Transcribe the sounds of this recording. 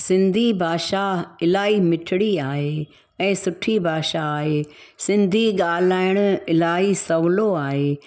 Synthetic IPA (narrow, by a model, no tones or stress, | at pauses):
sɪ̃nd̪ʱibʱaːʃaɪlaːimɪʈʰɪɽiaːɦe | ɛ̃ːsʊʈʰibʱaːʃaːɦeːsɪ̃nd̪ʱiɠaːlaːɪɽ̃ʊ̆ɪlaːisɐʋloaːɦeː